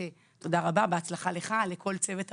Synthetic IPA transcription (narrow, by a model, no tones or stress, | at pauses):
e | to̞daʁababeat͡slaχale̞χale̞kʰo̞lt͡se̞vet